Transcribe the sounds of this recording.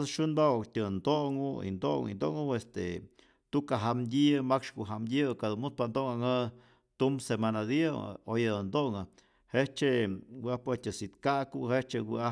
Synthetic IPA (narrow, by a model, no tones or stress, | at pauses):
sʃunbawkt̪ʲɨnd̪oʔŋuḭnd̪oŋḭnd̪oʔŋuest̪ḛ | t̪ukaɦamd̪ʲimakʂkuʔɦamd̪ʲɨkad̪unmut̪̚pand̪oʔŋaŋɨ | t̪umsemanad̪ia̰ojand̪oŋɨ | het͡ʃewapetʲɨsit̪kakuhet͡ʃewia